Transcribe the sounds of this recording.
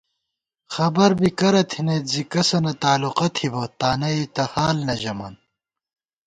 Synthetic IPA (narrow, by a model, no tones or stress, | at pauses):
xɐbɐɾbikɐɾɐt̪ʰinezikɐsɐnɐt̪aːluqɐt̪ʰibot̪aːnɐit̪ɐhaːlnɐʑɐmɐ̰n